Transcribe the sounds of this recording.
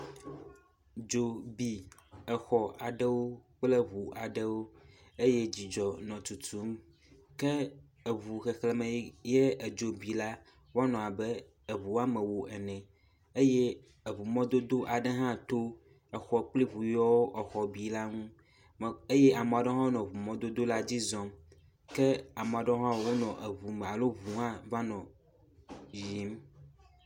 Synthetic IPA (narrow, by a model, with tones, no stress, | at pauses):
d͡ʒo˨bi˨ɛ˨xɔ˨ʔa˨ɖɛ˦wo˦k͡plɛ˦βu˨ʔa˨ɖɛ˦wo˦ | e˦jɛ˦d͡ʑi˨d͡ʒɔ˨nɔ̃˨t̪u˨t̪u˦m | kɛ˦ | e˨βu˨xe˨xle˨mɛ̃˨˦je˦e˨d͡ʒo˨bi˨la˦ | wa˦nɔ̃˨a˨bɛ˦ | ɛ˨βu˨˦a˦mɛ̃˨wo˨ʔɛ˨nɛ̃˨ | e˦jɛ˦ | e˨βu˨mɔ̃˦d̪o˦d̪o˦ʔa˨ɖɛ˦ɦã˦t̪o˦ | ɛ˨xɔ˨k͡pli˦βu˨jɔ˦wo˦ʔɛ˨xɔ˨bi˨˦la˦ŋũ˦˨ | e˦jɛ˦ʔa˨m˨a˨ɖɔ̃˦ɦɔ̃˦nɔ̃˨vu˨mɔ̃˦d̪o˦d̪o˦la˦d͡ʑi˦zɔ̃˦m | kɛ˦a˨m˨a˨ɖɔ˦ɦã˦wwo˦nɔ̃˨ʔe˨βu˨mɛ̃˨a˨lo˦vu˨ɦã˦va˦nɔ̃˨ | ji˨˦m